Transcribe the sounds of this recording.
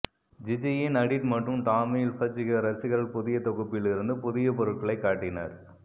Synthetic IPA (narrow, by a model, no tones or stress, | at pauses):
d͡ʒɪd͡ʒɐjɪnɐɽɪʈmɐʈrɯmt̪aːmɪjɪlfɐd͡ʒɪɣɐɾɐsɪɣɐɭɪpʊðɪjɐt̪ɔɣɯpːɪɭɪɾɯnd̪ɯpʊðɪjɐpɔɾɯʈ̚kɐɭɐɪkːaːʈːɪnɐ̰ɾ